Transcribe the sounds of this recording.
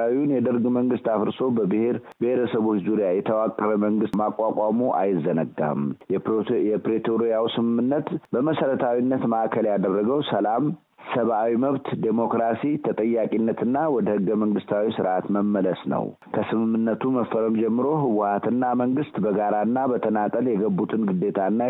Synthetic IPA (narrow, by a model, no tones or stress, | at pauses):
wiunjɛd̪ɨɾɡməŋɡɨst̪afɨɾso̞bəbɨheɾ | beheɾəsəβo̞t͡ʃːzuɾijajɛt̪ʰəwakʼːəɾəməŋɡɨst̪makʷʼakʷʼamuʔa̰jɪzːənəɡːa̰m | jɛpɾet̪ʰoɾijawsɨmɨmːɨnːət̪bəməsəɾət̪ʰawinːət̪maʔakʰəljad̪ərːəɡəwsəlam | səβʔawiməβt̪d̪emo̞kɾasit̪ʰət̪ʼəjːakʼinːət̪ɨnːawɔd̪əhɨɡːəməŋɡɨst̪ʰawisɨɾʔat̪məmːələsnə̰w | kʰəsɨmɨmːɨnːət̪ʰuməfːəɾəmd͡ʒɛmːɨɾo̞ɦɨwʊhat̪ɨnːaməŋɡɨst̪bəɡaɾaɨnːabət̪ʰənat̪ʼəljɛɡəbːut̪ʰɨnɡɨd̪ːe̞t̪ʰanːa